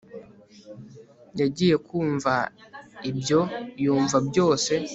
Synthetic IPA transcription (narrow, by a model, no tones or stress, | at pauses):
jaɟiːje̞kuːɱvaibjo̞juːɱvabjo̞ːse̞